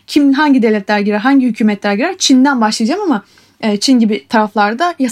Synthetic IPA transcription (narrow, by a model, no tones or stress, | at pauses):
cʰimd̪nɦaɲɟid̪eɛlʲɛt̪lʲæɾɟiɾæɾɦaɲɟihycʰyːmɛt̪lʲæɾɟiɾæɾt͡ʃʰind̪ænbaʃlˠɯjd͡ʒamama | ɛːt͡ʃʰinɟibit̪ʰaɾaflˠaɾd̪aja